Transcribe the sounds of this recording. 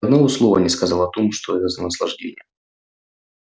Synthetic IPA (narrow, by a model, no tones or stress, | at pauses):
d̪noʊslˠovə̰nʲɪskɐzɑlˠəɐt̪o̞mʂt̪oɛt̪əzənəslˠɐ̰ʐdʲḛnʲɪ̰jə